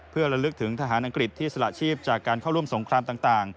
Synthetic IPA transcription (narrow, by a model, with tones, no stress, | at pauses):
pʰɯ˥˩ɐɾa˧lɯ˦˥k̚t̪ʰɯ˩˦ŋt̪ʰa˧ɦaː˩˦nʔa˧ŋkɾi˨˩t̪ʰːiː˥˩sa˧la̰˨˩t͡ɕʰiː˥˩p̚t͡ɕaː˨˩kːaː˧nkʰa˥˩ɾu˥˩əmso˩˦ŋkʰɾaː˧mt̪aː˨˩ŋt̪aː˨˩ŋ